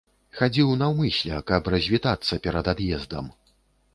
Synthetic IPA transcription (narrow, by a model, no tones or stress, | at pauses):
xad͡zʲiwnɐwmɨsʲlʲɐkɐprɐzʲvʲit̪at̪sːɐpʲɛɾɐd̪ad̪jɛzd̪ɐ̰m